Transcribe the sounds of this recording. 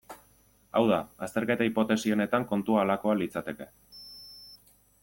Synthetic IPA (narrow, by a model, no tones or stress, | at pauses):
a̰wðaast̪e̞ɾke̞t̪aipo̞t̪e̞sio̞ne̞t̪aŋko̞nt̪uaːlako̞alit͡sat̪e̞ke̞